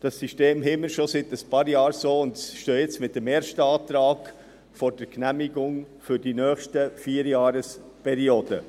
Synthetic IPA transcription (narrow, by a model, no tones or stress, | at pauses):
d̥ɑsːiʃteːmɦɪməɾʃosɪtəspɑːɾjɑːɾsoːʊndʃtøːjɛt͡smɪt̚dɛmeːɾʃtəɑːt̪ɾɑːɡ | fɔɾd̥ɛɾknæmiɡʊŋ | fʏɾdinœːχʃtəfiːəɾjɑːɾəs | pʰɛɾioːdə